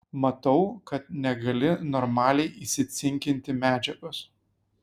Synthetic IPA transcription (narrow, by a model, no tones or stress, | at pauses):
mɐt̪ɐʊkɐt̪̚nʲɛɡɐlʲɪnɔɾmɑːlʲɛɪʔisʲɪsʲɪŋʲkʲɪnʲt̪ʲɪmʲæːd͡ʒʲɛɡʊs